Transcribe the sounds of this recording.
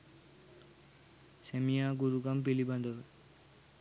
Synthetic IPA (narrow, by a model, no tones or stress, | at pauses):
semijaɡuɾuɡamp̬iliband̪ɔɾ